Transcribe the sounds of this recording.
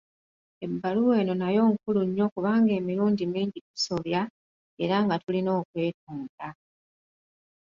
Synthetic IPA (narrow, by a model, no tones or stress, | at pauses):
e̞bːaluwe̞ːno̞najo̞ːŋkuluɲːo̞kuβaːŋɡe̞ːmiɾuːɲɟimiːɲɟitu̥so̞βja | e̞ɾaŋɡatulino̞ːkwe̞ːt̚uːnda